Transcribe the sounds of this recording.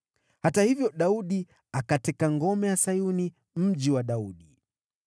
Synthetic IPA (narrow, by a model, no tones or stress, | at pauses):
hatahivjɔɗauɗi | akatɛkaŋɡɔmɛjasajuni | m̩ʄiwaɗauɗi